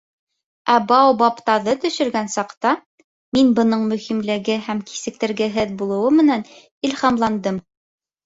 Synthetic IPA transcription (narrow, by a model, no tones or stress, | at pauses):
æbɑwbɑpt̪ɑðɤt̪ɵ̆ʃɵ̆ɾɡænsɑqt̪ɑ | minbɤ̆nɤɴmɵ̆himlɘ̆ɡɘæmki̥sɘ̆k̚t̪ɘ̆ɾɡɘɦɘðbulˠɤ̆wɤmɘ̆næn | ilhɑmlˠɑnd̪ɤm